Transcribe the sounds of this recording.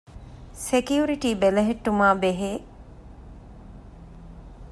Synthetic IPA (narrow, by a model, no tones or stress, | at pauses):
sekiuɾiʈiːbelɐɦeʈːumaːbeɦeː